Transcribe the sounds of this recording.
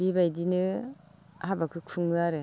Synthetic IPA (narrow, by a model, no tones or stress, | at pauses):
bibajdinɯ | habakʰɯkʰɯŋɯaɾɯ